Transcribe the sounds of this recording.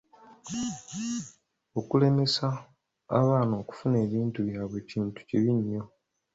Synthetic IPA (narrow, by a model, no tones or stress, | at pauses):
okule̞me̞sa | a̰βaːno̞ːku̥fune̞ːβiːntuβjaːβwe̞ːciːntu̥ciβiɲːo̞